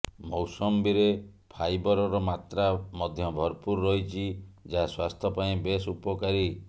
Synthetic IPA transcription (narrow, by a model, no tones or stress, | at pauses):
mɔwsɔmbiɾe | pʰajbɔɾɔɾɔmat̪ɾamɔd̪ʱjɔbʱɔɾpuɾːɔɦit͡ʃʰid͡ʒaɦaswast̪ʰɔpaĩbesupɔkaɾi